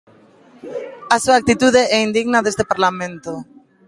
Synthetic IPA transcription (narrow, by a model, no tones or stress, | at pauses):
asuaːk̚t̪it̪uðeɛind̪iɣnaðest̪epaɾlamẽnt̪o